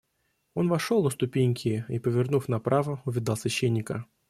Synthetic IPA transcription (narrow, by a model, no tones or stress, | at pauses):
o̞nvɐʂolˠəst̪ʊpʲenʲkʲɪipəvʲɪrnufnɐpɾʔavəʊvʲɪd̪ɑlˠsvʲɪɕːenʲːɪkə